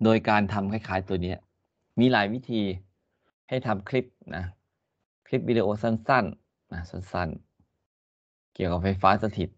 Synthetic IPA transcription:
doː˧jkaː˧nt̪ʰa˧mkʰa˥˩jkʰaː˨˩˦jt̪u˧ɐni˦˥ɐ | miː˧laː˩˦jwi˦˥t̪ʰiː˧ | ha˥˩jt̪ʰa˧mkʰli˦˥p̚nʔa˦˥ | kʰli˦˥p̚wi˧de˧ʔoː˧sa˥˩nsa˥˩n | na˦˥sa˥˩˨nsa̰˥˩n | ki˨˩əwka˨˩p̚fa˧jfaː˦˥sa˧t̪ʰi˨˩t̪̚

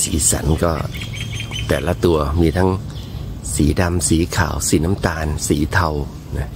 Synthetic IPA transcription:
sḭː˨˩˦sa̰˨˩˦nkɔː˥˩ | t̪ɛː˨˩la˦˧˥t̪u˧ɐmiː˧t̪ʰa˦˥ŋ | siː˩˦da˧msiː˩˦kʰa̰ː˩˦wsiː˩˦na˦˥mt̪aː˧nsiː˩˦t̪ʰa˧w | na˦˥

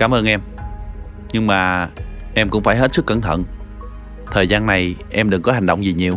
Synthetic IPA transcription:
kaː˨˦mʔəː˧nʔɛ˧m | ɲɨ˧ŋmaː˨˩ʔɛ˧mkʊ̰˧˥ŋ͡mfaː˧˩jɦe˦˥t̚sɨ˦˥kːə˧˩nt̪ʰə̰˧˨n | t̪ʰəː˨˩jzaː˧nːa˨˩jʔɛ˧mɗɨ˨˩ŋkɔ˨˦ɦa˨˩ŋ̟ɗə˧˨wŋ͡mzi˨˩ɲi˨˩əw

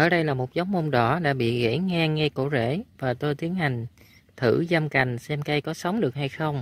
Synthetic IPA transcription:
ʔəː˧˩ɗə˧jlaː˨˩mo˨˩t̚zə˨˦wŋ͡mmo˧nɗɔ˧˩˦ɗa̰ː˧˥ɓḭ˧˨ɣḛ˧˥ŋɛ˧ŋɛ˧ko̰˧˩zḛ˧˩˥vaː˨˩t̪o˧jt̪i˨˦ənha˨˩jŋ̟ | t̪ʰɨ̰˧˩za˧mka˨˩jŋ̟sɛ˧mka˧jkɔ˨˦sə˨˦wŋ͡mɗɨ˨˩ək̚ha˧jxə˧wŋ͡m

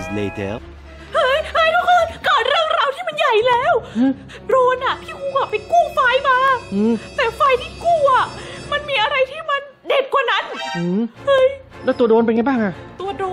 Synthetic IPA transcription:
zlḛ˧t̪ʰḛ˧˥l | hɤ˦˥jhɤ˧˥˩jt̪ʰɔ˧˩ʔʰɤː˧˩nkɔː˨˩t̪̚ɾɯ˥˩əŋɾaː˧wt̪ʰiː˥˩ma˧nja˨˩jlɛː˦˥˩wɯ˧˩ | ɾoː˧nʔa˨˩t̪ʰiː˥˩ʔuː˧˩ʔa˨˩pa˧jkuː˥˩fa˧jmaː˧˥ʔɯː˧˩t̪ɛː˨˩fa˧jt̪ʰiː˥˩kuː˥˩ʔa˨˩ma˧nmiː˧ʔa˧ɾa˧jt̪ʰiː˥˩ma˧n | deː˨˩n̚kaː˨˩na˦˥nʔɯː˧˩hɤ˦˥j | lɛː˦˥˩t̪u˧ədoː˧npe˧nŋa˧jbaː˥˩ŋʔa˧˩ʔt̪u˧doː˧

